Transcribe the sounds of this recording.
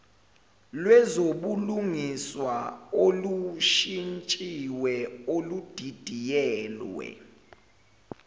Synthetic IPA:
lwɛzoɓuluŋiswaoluʃint͡ʃʼiwɛolud̥ʱid̥ʱijɛːlwɛ̰

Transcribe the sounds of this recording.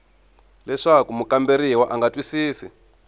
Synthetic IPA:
lɛʂakumukʼambeɾiwaʔaŋɡatwisiːsḭ

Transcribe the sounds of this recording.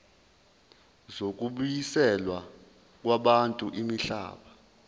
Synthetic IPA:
zok̬ʼuɓujisɛlwa | k̬ʼwaɓantʼuʔimiɬa̰ːɓa

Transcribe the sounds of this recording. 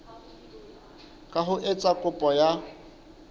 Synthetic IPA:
kʼaɦʊʔɪt͡sʼakʼʊpʼɔja

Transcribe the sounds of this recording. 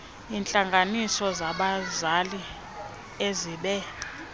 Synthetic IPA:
int͡ɬʼaŋɡʱanisɔzaɓazali | eziɓɛ

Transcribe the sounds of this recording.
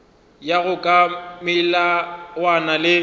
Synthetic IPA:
jaɣʊkʼamɪlawanalɪ

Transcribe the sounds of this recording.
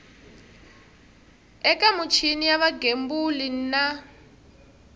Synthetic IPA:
ɛkʼamut͡ʃʰinijaβaɡembulin̩na

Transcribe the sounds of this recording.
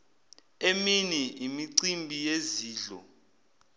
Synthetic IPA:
eminiimiǀimbʱijeziːɮɔ̰

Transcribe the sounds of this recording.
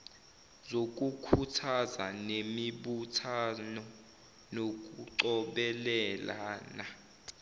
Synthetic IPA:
zok̬ʼukʰutʰaza̰nemiɓutʰanɔ | nok̬uǃɔɓɛlɛlaːna

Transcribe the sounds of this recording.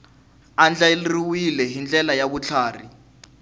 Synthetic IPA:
and͡ɮalriwilɛɦind͡ɮɛlajaɓut͡ɬʰaːrḭ

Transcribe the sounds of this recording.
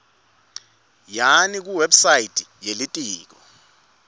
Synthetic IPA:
janik̬uwɛbsajitʰʼi̥jelitʼiːk̬ɔ

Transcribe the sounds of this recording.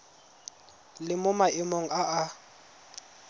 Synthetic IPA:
lɪmʊmaʔɪmoŋ̩aʔa

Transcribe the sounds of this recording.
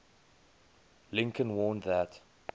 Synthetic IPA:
lɪ̃ŋkə̃nwɔːnðət

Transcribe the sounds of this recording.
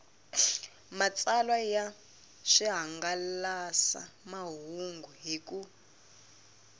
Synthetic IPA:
mat͡sʼalwaja | ʂiɦaŋɡalasa̰maɦuŋɡuɦiku

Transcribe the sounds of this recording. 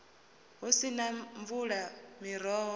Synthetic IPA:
ɦusinaɱvuɺamiɾɔːɦɔ

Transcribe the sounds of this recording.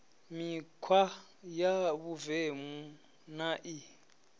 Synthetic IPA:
mikʰwa | jaβuvemu | naʔi

